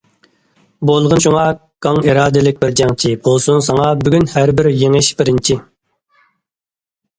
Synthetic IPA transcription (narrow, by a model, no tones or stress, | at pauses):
bolˠʁənʃuŋɑɡʰɑŋiɾɑːd̪ɪlɪk̚ʲbɪɾd͡ʒɛŋt͡ʃʰibolˠsunsɑŋɑbyɡʲynhæɾbɪɾjeŋɪʃbɪɾɪnt͡ʃʰi